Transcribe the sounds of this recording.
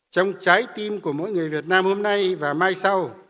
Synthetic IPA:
t͡ɕɔ˧wŋ͡mt͡ɕaː˨˦jt̪i˧mku˧˩əmo̰˧˥˨jŋɨ˨˩əjvi˨˩ət̚naː˧mho˧mna˧jvaː˨˩maː˧jsa˧w

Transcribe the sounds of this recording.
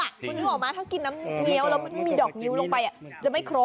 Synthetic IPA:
a˨˩o˧nːiː˧˥˩ʔɔː˨˩k̚maː˧t̪ʰa˥˩wki˧nːaː˦˥mŋi˦˥ə˨wlɛː˦˥wma˧˩nma˥˩jmiː˧dɔː˨˩k̚ŋi˦˥wlo˧ŋpa˧jʔa˨˩t͡ɕa˨˩ma˥˩jkʰɾoː˦˥

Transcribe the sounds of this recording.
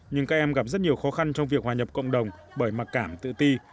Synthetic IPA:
ɲɨ˧ŋkaː˦˥k̚ʔɛ˧mɣa˨˩p̚zə˦˥t̚ɲi˨˩əwxɔ˨˦xa˧nt͡ɕɔ˧wŋ͡mvi˨˩ək̚hwaː˨˩ɲə˨˩p̚kə̰˧˨wŋ͡mɗə˨˩wŋ͡m | ɓəː˧˩jma˨˩kaː˧˩mt̪ɨ̰˧˨t̪i˧

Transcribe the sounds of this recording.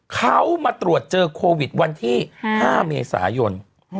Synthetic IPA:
kʰa˦˥wmaː˧t̪ɾu˨˩ət̪̚t͡ɕɤː˧kʰoː˧wi˨˩t̪̚wa˧nt̪ʰiː˥˩haː˥˩mḛː˧sa̰ː˩˦jo˧n

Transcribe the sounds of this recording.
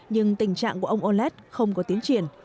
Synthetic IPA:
ɲɨ˧ŋt̪i˧˩ŋ̟t͡ɕa̰ː˧˨ŋku˧˩ʔə˧wŋ͡mʔo˧lɛ˦˥t̚xə˧wŋ͡mkɔ˨˦t̪i˨˦ənt͡ɕwḭ˧˩ən

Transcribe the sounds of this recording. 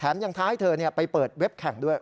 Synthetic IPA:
t̪ʰaː˩˦mja˧ŋt̪ʰaː˦˥ha˥˩jt̪ʰɤː˧ni˥˩ɐpa˧jpɤː˨˩t̪̚we˦˥p̚kʰɛ˨˩ŋdu˥˩əj

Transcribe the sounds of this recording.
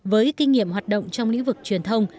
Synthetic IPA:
vəː˨˦jki˧ŋ̟ŋḭ˧˨əmɦaː˨˩t̚ɗo̰˧˨wŋ͡mt͡ɕɔ˧wŋ͡mlḭ˧˥ŋ̟vɨ˨˩k̚t͡ɕwi˨˩ənt̪ʰə˧wŋ͡m

